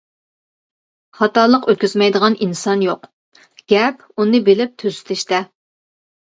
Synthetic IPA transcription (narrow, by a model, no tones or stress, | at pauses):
χɑt̪ɑːlˠəqøt̪̚kʲyzmɛjd̪əʁɑninsɑnjoq | ɡ̥ʲɛp | unɨbelɪp̚t̪ʰøzy̥t̪ʰɪʃt̪ɛ